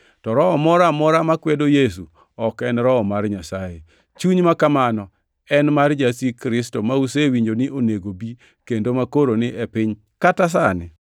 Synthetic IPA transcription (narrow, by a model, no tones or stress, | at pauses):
tɔɾɔɔmɔɾamɔɾamakwɛdojes̬u | ɔkɛnɾɔɔmarɲasaje | t͡ʃuɲmakamanɔ | ɛnmard͡ʒasikɾɪstomausewiɲd͡ʒonɪʔoneɡobi | kendomakoɾonɪʔepɪɲ | katas̬anɪ